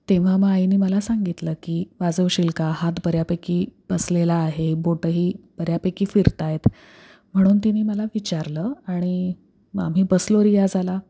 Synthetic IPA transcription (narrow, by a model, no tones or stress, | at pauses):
t̪eʋ̤amainiːməlasaŋɡit̪ləːkiːʋad͡zəʋɕilkaɦat̪bəɾjapekiːb̥əslelaːɦeboʈəɦiːb̥əɾjapekiːfiɾt̪ajet̪ | m̤əɽ̃uːnt̪iniːməlaʋit͡ɕaɾləːaɽ̃i | a̰m̤iːbəsloɾijad͡zʱala